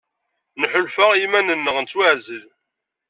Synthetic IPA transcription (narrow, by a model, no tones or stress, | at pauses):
nəħʊlfəʁimænənːəʁnt͡sːwæʕzəl